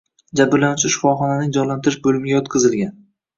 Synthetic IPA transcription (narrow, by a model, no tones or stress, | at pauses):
d͡ʒabɪɾlanʊt͡ʃʰɪʃɪ̥fɒχɒnanɪŋd͡ʒɒnlant̪ɪɾɪʃbɵlɪmɪɡʲajɒt̪qʰɨzɪlˠɡʲan